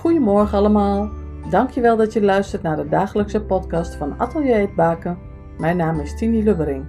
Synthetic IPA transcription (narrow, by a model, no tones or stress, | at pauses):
xujəmɔɹxənaləmaːlˠ | dɑŋkʰjəʋɛlˠdɔtjəlœɥstərtnaːdədaːxələksəpɔtkɑstfɔna̰tʰəlˠjeːt̚baːkə | mɛjnaːmɪstiniløʋəɾɪŋ